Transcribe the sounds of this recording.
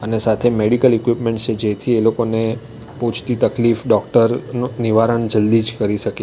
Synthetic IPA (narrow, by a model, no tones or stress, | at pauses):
ənesat̪ʰemeɽikəlikʋipmẽɳʈt͡ʃʰed͡ʒet̪ʰielokone | put͡ʃʰt̪it̪əklifɖɔkʈəɾnuniʋaɾəɳd͡ʒəld̪id͡ʒkəɾiʃəki